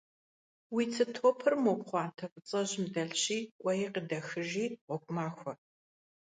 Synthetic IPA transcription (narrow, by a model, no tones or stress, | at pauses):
wiːt͡sʰɨtʰoːpʰɨrmopʷʼχʷɑːntʰɐfʼɨt͡sʼɐʑɪmdɐɮɕiːʔʷʼɐjiqədɐxɨʒiːʁʷɔkʷʼʊmaːxʷɔ